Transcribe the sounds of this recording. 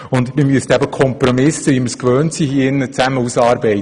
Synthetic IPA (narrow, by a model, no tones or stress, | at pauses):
ʊnd̪mɪmyəstæbəkʰɔmprɔmɪsəʋiməskʋøːntsiːhiəɪnːət͡sæməusɑːɾbɛɪ